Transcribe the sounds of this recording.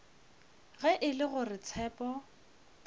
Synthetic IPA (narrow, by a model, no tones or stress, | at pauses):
ɣɛʔɪlɪɣʊrɪt͡sʰɛːpɔ